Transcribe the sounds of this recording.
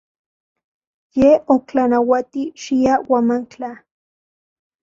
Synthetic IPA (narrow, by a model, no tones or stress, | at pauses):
jeoklanawat̪iʃiawamaŋkt͡ɬa